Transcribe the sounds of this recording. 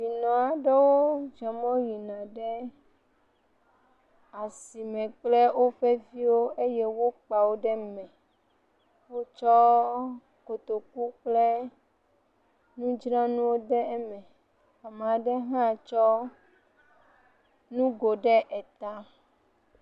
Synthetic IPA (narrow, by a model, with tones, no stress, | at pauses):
vi˨nɔ̃˨a˨ɖɛ˦wo˦d͡ʒɛ˨mɔ̃˦ji˨nã˨ɖɛ˦ | a˨si˨mɛ̃˨k͡plɛ˦wo˦ɸɛ˦vi˦wo˦e˦jɛ˦wo˦k͡pa˨wo˦ɖɛ˦mɛ̃˨ | wo˦t͡ʃɔ˦ | ko˨t̪o˨k̚u˦k͡plɛ˦ | nũ˦d͡ʒnã˦nũ˦wo˦ɖɛ˦ɛ˦mɛ̃˨ | a˨mã˨ɖɛ˦ɦã˦˨t͡ʃɔ˦ | nũ˦ɡo˨ɖɛ˦ʔɛ˨t̪a˦